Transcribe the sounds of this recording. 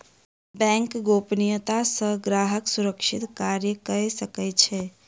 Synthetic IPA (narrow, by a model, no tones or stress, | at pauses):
bɛ̃ŋkɡopnijət̪asə̃ɡɾaɦəksuɾəkʃit̪kaɾjəkəɛsəkɛt͡ʃʰɛ